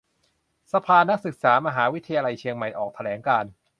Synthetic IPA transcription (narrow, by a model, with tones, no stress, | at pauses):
sa˧pʰaː˧na˦˥k̚sɯ˨˩k̚saː˩˦ma˧ɦaː˩˦wi˦˥t̪ʰa˧jaː˧la˧jt͡ɕʰi˧əŋma˨˩jʔɔː˨˩k̚t̪ʰa˧lɛː˩˦ŋkaː˧n